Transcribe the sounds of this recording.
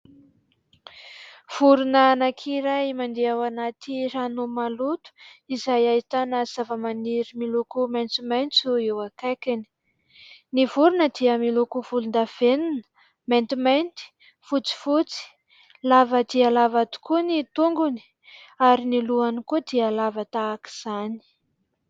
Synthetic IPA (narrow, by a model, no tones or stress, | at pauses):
v̥uɾunanakʰiɾajmand̪eawanat̪iɾanomalut̪u̥izajait̪anaz̥avəmaniɾimilokumajnt͡simajnt͡suewakajkʲani̥ | nivuɾunəd̪iəmilukuv̥ulund̪av̥eninə̥ | majnt̪imajnt̪i̥ | fut͡si̥fut͡si̥ | lavəd̪ialavat̪u̥kunit̪uŋɡuni̥ | aɾiniluanikud̪ialavət̪aːki̥z̥ani̥